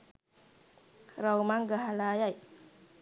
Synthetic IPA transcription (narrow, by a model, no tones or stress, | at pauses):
ɾawmaŋɡaɦalajaj